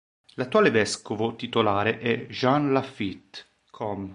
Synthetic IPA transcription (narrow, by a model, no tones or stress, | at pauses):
lat̪ːuaːlevɛskovot̪it̪olaːɾeʔɛʒanlafit̪ | kʰɔm